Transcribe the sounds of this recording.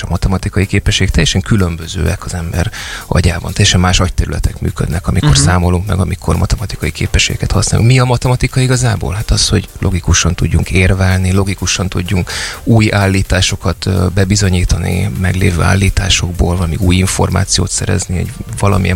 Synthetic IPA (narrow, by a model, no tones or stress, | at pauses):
ɒmɒt̪ɛmɒt̪ikɒjikeːpɛʃːeːɡɛk̚t̪ɛjɛʃɛŋkylømbøzøːɛkɒzɛmbɛ̰ɾɒ̰ɟaːbɒ̰nt̪ɛjːɛʃɛmːaːʃɒc̚t̪ɛɾylɛt̪ɛkmy̰ːkø̰d̪nɛkɒmiko̞rssaːmo̞luŋkmɛɡɒmikʰormɒt̪ɛmɒt̪i̥kɒjikḛːpɛʃːeːɡɛ̰kɛt̪ɒsnaːlʔuŋkmiɒmɒt̪ɛmɒt̪ikɒiɡɒzaːbo̰ːlɦat̪ɒsho̞̰ɟlʔo̞ɡikuʃɒnt̪uɟːuŋkeːrvɛlnilo̞ɡikuʃɒnt̪uɟːuŋkuːjaːlːiːt̪aːʃo̞kɒt̪bɛbizo̞ɲiːt̪ɒnḭmɛɡlḛːvøːa̰ːlːiːt̪a̰ːʃo̞ɡboːlvɒlɒmiuːjiɱfo̞rma̰ːt̪sijo̰ːt̪sɛɾɛ̰znio̰ɟvɒlɒ̰mijɛ